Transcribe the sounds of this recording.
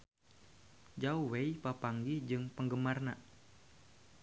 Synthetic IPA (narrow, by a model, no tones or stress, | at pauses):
d͡ʒauwejpapaŋɡihd͡ʒɨŋpəŋɡəmarna